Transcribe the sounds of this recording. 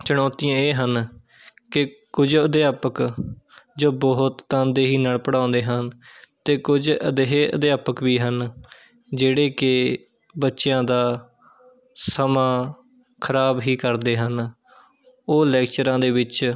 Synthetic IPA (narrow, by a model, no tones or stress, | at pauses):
t͡ʃəɽ̃ɔːt̪ijãːeːɦən | kɪkʊd͡ʒəd̪ejaːpək | d͡ʒoːbɔɦʊt̪ːãːnd̪eːɦiːnaːlpəɽãːʊnd̪eːɦənt̪eːkʊd͡ʒəd̪eɦeːə̰d̪eaːpəkʋiːɦən | d͡ʒeːɽeːkɪ | bətːʃjãːd̪aː | səmãː | kʰəɾaːbɦiːkəɾd̪eːɦən | oːlɛːkt͡ʃəɾãːd̪eːʋɪt͡ʃ